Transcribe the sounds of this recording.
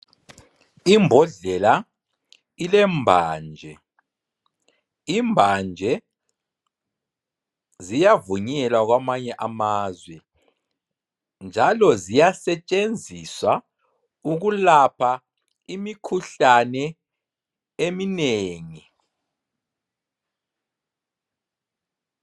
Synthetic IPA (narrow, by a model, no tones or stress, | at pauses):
imbʱɔɮɛla | ilɛmbʱaːnd͡ʒʱɛ | imbʱand͡ʒʱɛ | zijavuɲɛlaɣwamaɲɛʔamaːzwɛ | nd͡ʒʱalɔzijasɛt͡ʃʼend͡zʱiswa | uɣulapʰa | imikʰuɬanɛ | emineːŋi